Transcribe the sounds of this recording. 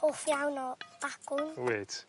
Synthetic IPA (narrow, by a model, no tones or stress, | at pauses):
ofjawnɔb̥akʊnweːtʰ